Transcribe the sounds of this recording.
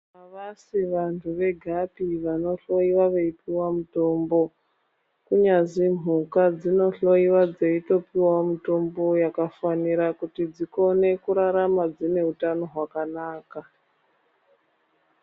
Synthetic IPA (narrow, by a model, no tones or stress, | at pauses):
aʋasiʋantʰuʋe̞ɡʱapiʋano̞ɬo̞iwaʋe̞ipiwamuto̞mbo̞ | kuɲazim̤ukad͡zino̞ɬo̞iwad͡zeito̞piwamuito̞mbo̞jakafaniɾakutid͡ziko̞ne̞kuɾaɾamad͡zine̞ɦutano̞ɦwakanaːka